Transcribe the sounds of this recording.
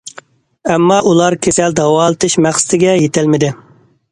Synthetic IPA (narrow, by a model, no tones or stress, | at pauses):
ɛmːɑʔulˠɑɾkʲʰesɛld̪ɑwɑːlˠɨt̪ʰɨʃmæχsɨ̥t̪ʰɪɡʲɛjet̪ʰɪlmɪd̪ɪ